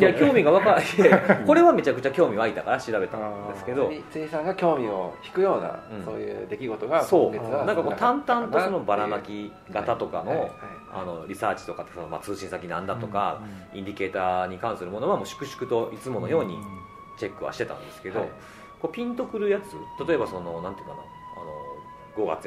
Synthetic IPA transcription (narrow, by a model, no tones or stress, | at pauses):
jakʲo̞ːmʲiɡaβakaɾaieko̞ɾe̞βame̞t͡ɕakɯ̟t͡ɕakʲo̞ːmʲiβait̪akaɾaɕiɾabe̞t̪ãd̪esɨke̞d̪o̞t͡sɨisãŋɡakʲo̞ːmʲioçi̥kɯ̟jo̞ːna̰ɯ̟̃soːjɯ̰ːd̪e̞kʲiɡo̞t̪oɡaso̞ːenãŋkakot̪ãnt̪ãnt̪o̞so̞no̞baɾamakʲi | ɡat̪at̪o̞kano̞ | a̰no̞ɾʲisaːt͡ɕi̥t̪o̞kat̪ːesonoma̰t͡sɨːɕĩsakʲinãnd̪at̪o̞kaĩɲd̪ʲike̞ːt̪aːɲ̟ikãɰ̃sɨɾɯ̟mo̞no̞βamo̞ːɕi̥kɯ̟ɕi̥kɯ̟t̪o̞ʔit͡sɨmo̞no̞jo̞ːɲ̟ḭ | t͡ɕe̞kːɯ̟βa̰ɕi̥t̪et̪ã̰nd̪e̞sɨ̥ked̪o̞ | ko̞pʲĩnt̪o̞kɯ̟ɾɯ̟jat͡sɨt̪at̪o̞e̞baso̞no̞nãnt̪eiɯkːana̰ | a̰no̞ | ɡo̞ɡa̰t͡sɨ